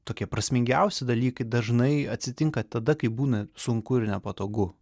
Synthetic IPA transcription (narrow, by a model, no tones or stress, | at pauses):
t̪oːkʲiɛpɾɐsʲmʲɪŋʲɡʲɛʊsʲɪd̪ɐlʲiːkɐɪd̪ɐʒnɐɪɐtʲsʲɪt̪ʲɪŋkɐt̪ɐd̪ɐkɐɪbuːnɐsʊŋkʊɪɾnʲɛpɐt̪oːɡʊ